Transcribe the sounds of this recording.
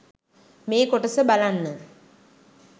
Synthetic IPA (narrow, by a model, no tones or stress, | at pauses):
meːkoʈəsəbalanːə